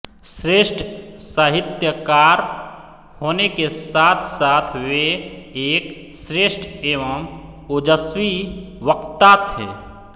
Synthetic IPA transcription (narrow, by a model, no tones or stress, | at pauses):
sɾeːʃʈʰsaːɦɪt̪jəkaːɾ | hoːnekesaːt̪ʰsaːt̪ʰʋeeːk | sɾeːʃʈʰeːʋəm | od͡ʒəswiʋəkt̪at̪ʰɦḛː